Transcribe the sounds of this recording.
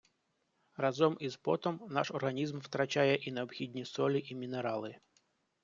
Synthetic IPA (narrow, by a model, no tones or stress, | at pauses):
rɐzɔmizbɔt̪ɔmna̰ʂɔrɣɐnʲizmwt̪ɾɐt͡ʃajɛʔinɐɔbxʲidʲnʲisɔlʲiʔimʲineɾɑlˠɪ